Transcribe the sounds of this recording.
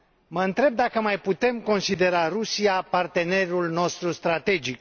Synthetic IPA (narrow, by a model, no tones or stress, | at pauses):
məɨnt̪ɾe̞b̚d̪akəmajput̪e̞mko̞nsid̪e̞ɾarusijapart̪e̞ne̞rulno̞st̪ɾust̪ɾat̪e̞d͡ʒik̚